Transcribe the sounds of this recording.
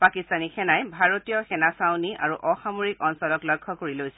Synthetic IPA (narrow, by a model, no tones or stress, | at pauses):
pakistanixɛnajbʱaɹotijɔxɛnasawnia̰ɹuʔɔxamoɹikɔnsɔlɔklɔkʰːɔkoɹilojsɛ